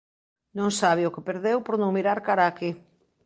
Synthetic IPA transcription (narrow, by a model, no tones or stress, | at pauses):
nõŋsaβ̞ɪʊkɪpeɾðewpoɾnõŋmiɾaɾkaɾaːke